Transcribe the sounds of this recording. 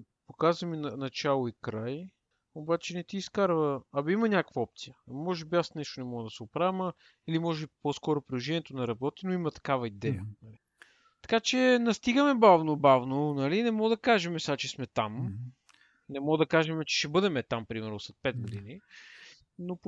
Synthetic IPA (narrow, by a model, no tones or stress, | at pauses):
pokazvɐminnɐt͡ʃalˠoikɾaj | obat͡ʃɛnɛt̪iːskaɾvəːbimɐnʲakəvɐɔp̚t̪sijəmɔʒɛbiasnɛʃt̪onɛmɔɡəd̪ɐsɛopɾavɛmɐ | ilimɔʒɛbipɔskɔɾopɾilˠoʒɛniɛt̪onɐɾɐbɔt̪inoimɐt̪ɐ̥kavɐid̪ɛjə | t̪ɐ̥kat͡ʃɛnɐst̪iɡəmɛbavnobavnonɐlinɛmɔd̪ɐkaʒɛmɛsat͡ʃɛsmɛt̪am | nɛmɔd̪ɐkaʒɛmɛt͡ʃɛ̥ʃɛbɤd̪ɛmɛt̪ampɾimɛɾnosɛt̪̚pɛd̪̚ɡod̪ini | no